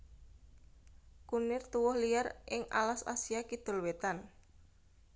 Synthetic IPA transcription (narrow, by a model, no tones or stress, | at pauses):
kunɪrt̪uwɔhlijarʔɪŋa̰lasa̰siakid̪̥o̤lwet̪an